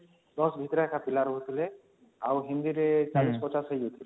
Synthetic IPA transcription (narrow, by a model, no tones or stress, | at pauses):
d̪ɔsbʱit̪ɔɾaɛkʰapilaɾoɦot̪ʰile | awɦind̪iɾɛt͡ʃalispɔt͡ʃasɦəjot̪ʰile